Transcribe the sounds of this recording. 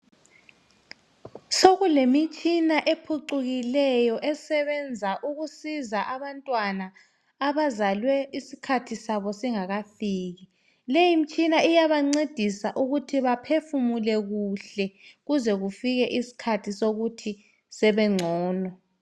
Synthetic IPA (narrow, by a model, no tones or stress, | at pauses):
soɣulemit͡ʃʼʰinaʔepʰuǃuɣilɛjɔʔɛsɛβɛnd͡zʱaʔuɣusizaʔaβantʼwanaː | βazalwɛisikʰatʰisaβɔsiŋaɣafiːɣi | lejimit͡ʃʼinaijaβaŋ͡ǀed̥ʱisaʔuɣutʰiβapʰefumulɛɣuɬɛɣuzɛɣufiɣɛʔisi̥kʰatʰisoɣutʰi | sɛβɛŋ͡ǀʱɔːnɔ